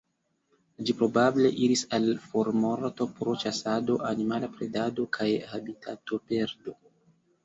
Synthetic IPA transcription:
d͡ʒipɾo̞bable̞ʔiɾisalfoɾmo̞ɾto̞pɾo̞t͡ʃasado̞ʔanimalapɾe̞dado̞kʰajhabitʰato̞pe̞ɾdo̞

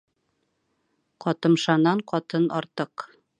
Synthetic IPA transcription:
qɒt̪ɤ̆mʃɑnɑɴqɒt̪ɤnɒɾt̪ɤq

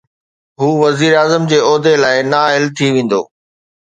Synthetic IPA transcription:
ɦuːʋɐziːɾaːzəmd͡ʑeːɔːd̪elaːɪnaːɦɪlt̪ʰiʋẽːn̆d̪o̰ː

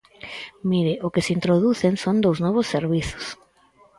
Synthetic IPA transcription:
miɾɪʔʊkɪsint̪ɾoðuθeŋsond̪owznɔβʊsːeɾβiθʊ̥s

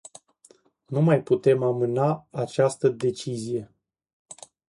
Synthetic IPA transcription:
numajput̪e̞mamɨnaːt͡ʃast̪əd̪e̞t͡ʃizije̞

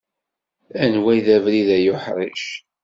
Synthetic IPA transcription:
ænwæjðævɾiðæjʊħɾˤiʃ

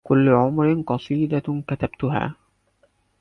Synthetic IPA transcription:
kʊlːʊʕʊmɾɪnqɑsˤiːd̪akat̪abt̪ʊɦa̰ː

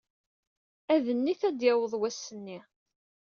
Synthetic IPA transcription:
æðənːiθæd̪jæwəðˤwæsːənːi

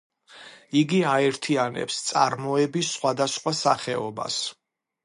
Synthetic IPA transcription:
iɡiaɛɾt̪ʰianɛ̰pst̪sʼa̰ɾmɔɛbisːχwad̪asχwasaχɛɔba̰s

